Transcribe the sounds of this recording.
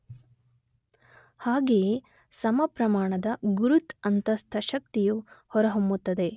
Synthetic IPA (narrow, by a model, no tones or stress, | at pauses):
haːɡe̞ː | sɐmɐpɾɐmaːɳɐd̪ɐɡuɾut̪ɐnt̪ɐst̪ʰɐʃɐk̚t̪ijuhɔɾɐɦombut̪ːɐd̪e̞